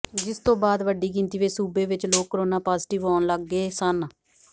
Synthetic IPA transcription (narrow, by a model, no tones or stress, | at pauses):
d͡ʒɪst̪õːbaːd̪ʋəɖːiːɡɪ̃nt̪iːʋeːsuːbeːʋɪt͡ʃloːkːəɾoːnaːpaːzʈɪʋɔːnləɡːeːsən